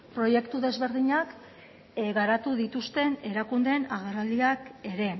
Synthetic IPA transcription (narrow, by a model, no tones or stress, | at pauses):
pɾo̞je̞kt̪uðe̞zβe̞ɾðiɲak | ɣaɾat̪uðit̪ust̪e̞ne̞ɾakund̪e̞naɣerald̪iake̞ɾe̞